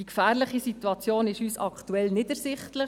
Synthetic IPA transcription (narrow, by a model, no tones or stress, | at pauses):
dikfæːɾlɪχisit̪uɑt͡sjoːnɪʃyːsɑkʰtuɛlnɪdəɾsɪχtlə